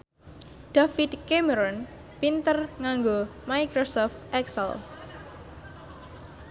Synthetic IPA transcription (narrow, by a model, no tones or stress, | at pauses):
ɖ̪̥afid̪keməɾɔn | pint̪ərŋaŋɡomajkɾosɔft̪ʔɛksə̰l